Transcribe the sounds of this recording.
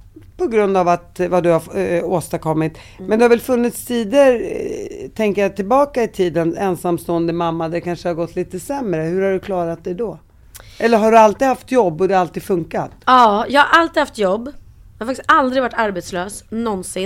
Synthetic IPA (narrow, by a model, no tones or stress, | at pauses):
pʰɔɡɾɵnd̪avat̪vad̪ɵhaoːst̪aɾkʰɔmːɪt̪ | mɛnd̪ɵhavɛlfɵnːɪt̪st̪ʰiːd̪əɾ | t̪ʰɛŋkəɾjat̪ʰɪlbɑːkaɪt̪ʰiːd̪ənɛnsamst̪oːənd̪əmamːad̪ɛkʰanʂəhaɾɡɔt̪ːliːt̪əsɛmɾəhɵɾhaɖɵkʰlɑːɾat̪̚d̪ɛd̪ɔ | ɛlːəɾɦaɖɵalt̪iːɦaft̪jɔbːɔd̪ɛhaalt̪iːd̥̪fɵŋkat̪ɑːjɑːhaɾʔalt̪iːd̪haft̪jɔbː | jɑhaɾfakt̪ɪst̪ald̪ɾɪɡvaʈːaɾbɛt̪sløːsnɔnsɪ